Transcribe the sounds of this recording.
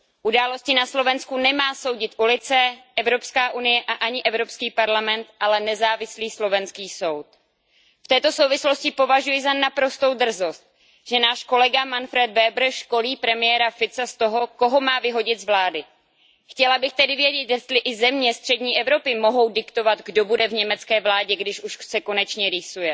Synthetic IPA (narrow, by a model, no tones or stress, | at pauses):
ʔudaːlo̞scɪnaslo̞vɛnskunɛmaːso̞wɟɪt̪ʔulɪt͡sɛʔɛvɾo̞pskaːʔunɪjɛʔaʔaɲɪʔɛvɾo̞pskiːpaɾlamɛnt̪ʔalɛnɛzaːvɪsliːslo̞vɛnskiːso̞wt̪̚ | ft̪ɛːt̪o̞so̞wvɪslo̞scɪpo̞vaʒujɪzanapɾo̞st̪o̞wd̪r̩zost̪̚ | ʒ̥ɛnaːʃko̞lɛɡamanfɾɛd̪vɛbr̩ʃko̞liːpɾɛmɪjɛɾafɪt͡sast̪o̞ɦo̞ko̞ɦo̞maːvɪɦo̞ɟɪt̪zvlaːdɪ | xcɛlabɪxt̪ɛdɪvjɛɟɛt̪jɛst̪lɪʔɪzɛmɲɛst̪r̝̥ɛdɲiːʔɛvɾo̞pɪmo̞ɦo̞wdɪkt̪o̞vat̪ɡdo̞budɛvɲɛmɛt͡skɛːvlaːɟɛɡdɪʃʔuʃsɛko̞nɛt͡ʃɲɛɾɪsujɛ